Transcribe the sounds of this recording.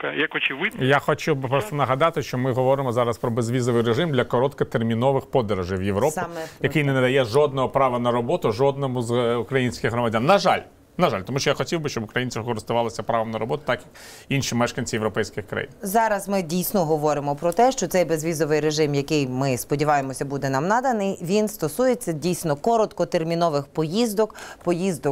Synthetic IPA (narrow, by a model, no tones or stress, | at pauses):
jɐkɔt͡ʃɪʋɪdjaxɔt͡ʃiwbɪpɾɔst̪ɔnɐɦɐd̪ɑt̪ɪʃt͡ʃɔmɪɦɔʋɔɾɪmɔzɑɾɐspɾɔbezʋʲizɔʋɪjɾeʒɪmd̪lʲɐkɔɾɔt̪kɐt̪ermʲinɔʋɪxpɔd̪eɾɐʒɪjʋjeʋɾɔp̪ʲɪjɐkɪjnɛnɛd̪ɐjɛʒɔd̪nɔɦɔpɾɑʋɐnɐɾɔbɔt̪ʊʒɔd̪̚nɔmʊzukɾɐjinʲsʲkʲɪxɦrɾɔmɐdʲanːɐʒɑlʲ | nɐʒɑlʲt̪ɔmuʃt͡ʃɔjaxɔtʲiwbɪʃt͡ʃɔbʊkɾɐjinʲt͡sʲɪwkɔɾɪst̪ʊʋɑlˠɐsʲɐpɾɑʋɐmnɐɾɔbɔt̪ʊ̥t̪ɑkjɐk | inʃimɛʃkɐnʲt͡sʲijeʋwɾɔpɛjsʲkɪxkɾɐ̰jḭnzɑɾɐzmɪdʲijsʲnɔɦɔʋɔɾɪmɔpɾɔt̪ɛʃt͡ʃɔt̪sɛjbezʋʲizɔʋɪjɾeʒɪmjɐkɪjmɪspɔdʲiʋɑjemɔsʲɐbud̪ɛnamnɑd̪ɐnɪjʋʲinst̪ɔsujet͡sʲːɐdʲijsʲnɔkɔɾɔt̪kɔt̪ermʲinɔʋɪxpɔjizd̪ɔkpɔjizd̪ɔk